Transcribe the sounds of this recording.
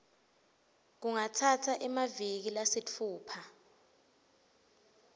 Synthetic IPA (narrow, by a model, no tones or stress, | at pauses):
k̬uŋatʰatʰaʔɛmavik̬ilasit͡fʰuːpʰa